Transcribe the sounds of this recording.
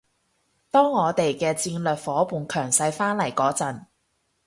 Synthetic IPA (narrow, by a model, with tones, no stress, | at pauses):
t̪ɔː˥ŋːɔː˨˧t̪e˨jkɛː˧t͡siː˧nlœː˨k̚fɔː˨˥puː˨nkʰœː˨˩ŋsɐ˧jfaː˥nlɐ˨˩jkɔː˨˧˥t͡sɐ˨˩n